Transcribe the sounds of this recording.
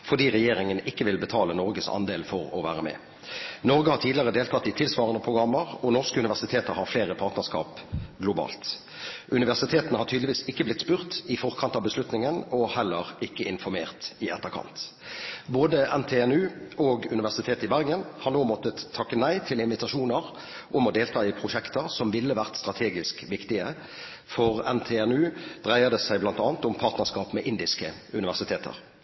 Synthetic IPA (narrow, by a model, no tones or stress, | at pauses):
fɔʁd̪iːʁɛjeːʁɪŋənɪkːəʋɪlbət̪ʰɑːlənɔʁɡəsɑ̰nd̪eːlfɔʁɔ̰ʋæ̰ːʁəmɛ̰ː | nɔʁɡəhɑʁtʰiːd̪lɪəʁəd̪eːlt̪ʰɑt̪ːɪt̪ʰɪlsʋɑːʁənəpʰʁʊɡʁɑmːəʁɔnɔʁskəʉnɪʋæʁsɪt̪ʰeːt̪əɾhɑɾfleːʁəpʰɑːt̪nəʁskɑ̰ːpɡlʊbɑ̰ːlt̪ | ʔʉnɪʋæʁsɪt̪ʰeːt̪ənəhɑʁʈʰyːd̪lɪʋiːsɪkːəblɪt̪spʉːʁt̪ɪfɔʁkʰɑnt̪ɑʋbəslʉt̪nɪŋənɔhɛlːəʁɪkːəɪnfɔɾmeːʁt̪ɪɛ̰t̪ːəʁkʰɑ̰nt̪ | boːd̪əʔɛnt̪ʰeːɛnʉːʔɔɡʉnɪʋæʁsɪt̪ʰeːt̪ɪbæʁɡənhɑʁnoːmɔt̪ːəːɑkːənæɪt̪ʰɪlɪnʋɪt̪ɑʃuːnəʁ | ʔʊmɔd̪eːlt̪ʰɑːɪpʰʁʊʃɛkt̪əʁsɔmʋɪlːəʋæʁt̪st̪ʁɑt̪ʰeːɡɪskʋɪkt̪ɪə | fɔʁɛnt̪ʰeɛnʉːd̪̥ʁæɪəd̪əsæɪblɑnt̪ɑːnt̪ʊmpʰɑːʁt̪nəʁskɑːpmɛʔɪnd̪ɪskəʉnɪʋæʁsɪt̪ʰeːt̪ʰə̰ʁ